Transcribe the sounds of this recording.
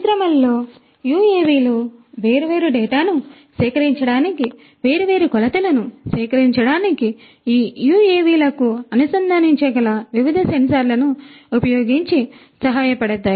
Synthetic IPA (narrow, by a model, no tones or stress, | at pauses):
sɾɐmɐlːo̞ː | juːeːʋiːluʋe̞ːɾuʋe̞ːɾuɖɛːʈaːnu | ʃɛːkɐɾiɲt͡ʃɐɽaːniki | ʋe̞ːɾuʋe̞ːɾukɔlɐt̪ɐlɐnusɛːkɐɾiɲt͡ʃɐɽaːniki | iːjuːeːʋiːlɐkuɐnusɐnd̪ʱɐniɲt͡ʃɐɡɐlɐʋiʋid̪ʱɐsɐnisaːɾlɐnuupɐjo̞ːɡiɲt͡ʃi | sɐɦaːjɐpɐɽɐd̪ːɐː